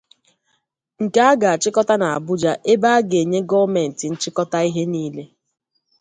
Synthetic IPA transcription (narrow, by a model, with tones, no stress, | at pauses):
ŋ̩˨ka˦a˦ɡa˨a˨t͡ʃɪ˦kɔ˦ta˦na˨a˨bʊ˦d͡ʒa˦ʔe˦ba˦a˦ɡe˨ɲe˦ɡɔ˦me˨n̩˨tɪ˨n̩˦t͡ʃɪ˦kɔ˦ta˦i˦ɦe˦niː˦le˦